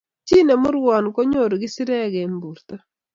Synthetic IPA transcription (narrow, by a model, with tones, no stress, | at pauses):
t͡ʃi˦ne˨mʊ˦ɾwa˨nko˦ɲo˦˨ɾɡi˦si˦ɾɛ˦ɣɛ˨mbu˨ɾta˦